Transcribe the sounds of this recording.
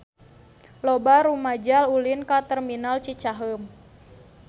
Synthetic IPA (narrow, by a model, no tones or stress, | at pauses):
lɔbaɾumad͡ʒalulinkat̪ɛrminalt͡ʃit͡ʃaɦəm